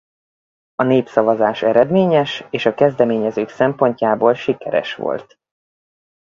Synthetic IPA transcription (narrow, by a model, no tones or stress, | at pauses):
ɒneːpsɒvɒzaːʃɛɾɛd̪meːɲɛʃeːʃɒkɛzd̪ɛmeːɲɛzøːksɛmpo̞ɲcaːboːlʃikɛɾɛ̰ʃʋo̞̰lt̪